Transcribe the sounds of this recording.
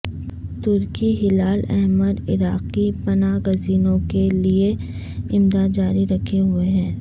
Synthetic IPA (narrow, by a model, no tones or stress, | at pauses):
t̪ʊɾkiɦɪlaːlɛɦməɾɪ̰ɾaːqipɐnaːɡɐziːnõkelie | ɪmd̪aːd̪̚d͡ʒaːɾiɾɐkʰeɦʊeɦɛ̃ː